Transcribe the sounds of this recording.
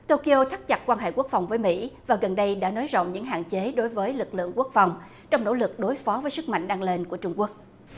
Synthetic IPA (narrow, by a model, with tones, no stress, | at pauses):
t̪o˧ki˧ʔo˧t̪ʰa˦˥k̚t͡ɕa˨˩t̚kwaː˧nɦḛ˧˨ku˦˥ək̚fa˨˩wŋ͡mvəː˨˦jmḭ˧˥vaː˨˩ɣə˨˩nɗə˧jɗa̰ː˧˥no˨˦jzo̰˧˨wŋ͡mɲɨ̰˧˥ŋɦa̰ː˧˨nt͡ɕe˨˦ɗo˨˦jvəː˨˦jlɨ˨˩k̚lɨ̰˧˨əŋku˦˥ək̚fa˨˩wŋ͡m | t͡ɕɔ˧wŋ͡mno̰˧˥lɨ˨˩k̚ɗo˨˦jfɔ˨˦vəː˨˦jsɨ˦˥k̚ma̰˧˨jŋ̟ɗaː˧ŋle˧nku˧˩ət͡ɕʊ˧ŋ͡mku˦˥ək̚